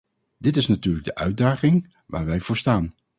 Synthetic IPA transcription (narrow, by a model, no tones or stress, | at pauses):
d̥ɪtɪsnatyːɹləɡ̚dəʔœɥt̚daːχɪŋ | ʋaːɹʋɛjvʊːɹstaːn